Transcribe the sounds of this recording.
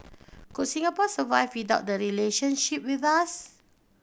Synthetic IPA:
koʔsĩŋapɔsəvajfwidaʊt̚dəɹileʃə̃nʃip̚wiθas

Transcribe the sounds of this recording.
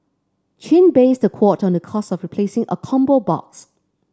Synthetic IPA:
t͡ʃʰɪ̃nbesəkʰwɔtɔ̃ndəkʰɔstɔfɹipʰlesɪ̃ŋʔə̰kʰɔ̃mbobɔ̰ks

